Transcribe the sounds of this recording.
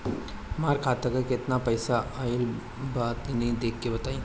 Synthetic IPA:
maɾkʰaːt̪əkəket̪napɐjsaail | bat̪inid̪ekːebɐt̪aĩ

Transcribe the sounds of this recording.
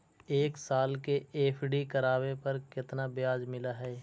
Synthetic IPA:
eːksaːlkeeːpʰɖikɐɾaːwepɐɾkɪt̪nabɪjaːd͡ʒmɪlaɦɛː

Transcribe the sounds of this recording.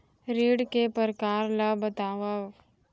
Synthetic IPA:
ɾiːɽkepəɾkaːɾlabət̪aːʋaʋ

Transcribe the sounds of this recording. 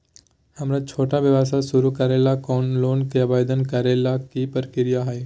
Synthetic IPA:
hɐmɾat͡ʃʰoːʈaʋɪʋaːsasʊɾukaːɾeːlakɔːnloːnkeabaːd̪ənkaːɾelakipəɾkɪɾijaɦɛe

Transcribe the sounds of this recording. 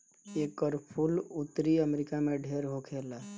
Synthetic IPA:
ekəɾpʰulut̪ɾiəmeɾikameɖʱeɾɦokʰela

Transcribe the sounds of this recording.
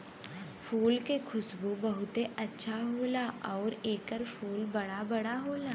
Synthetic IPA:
fʰuːlkekʰʊsbubɐɦʊt̪eʔɐtːʃʰaɦoːlaɔːɾeːkəɾfuːlbɐɽabɐɽaɦoːlaː

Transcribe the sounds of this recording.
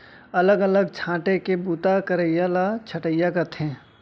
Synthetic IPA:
ɐləɡɐləɡ̚t͡ʃʰãːʈekebuːt̪akəɾəjalat͡ʃʰɐʈəjakət̪ɦɛ̃ː

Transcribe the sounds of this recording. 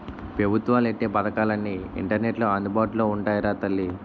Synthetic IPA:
pɾɐbʱut̪ʋaːleʈːeːpɐd̪ɐkaːlɐnːiḭɳʈɐɾneʈloɐnd̪ubaːʈuloːuɳʈaːjɐɾaːt̪ɐlːi

